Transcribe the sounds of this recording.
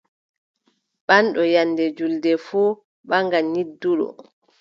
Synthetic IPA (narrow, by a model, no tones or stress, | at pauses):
ɓanɗɔjanːdɛd͡ʒuldɛfuː | ɓaŋɡaɲidːuɗɔ̰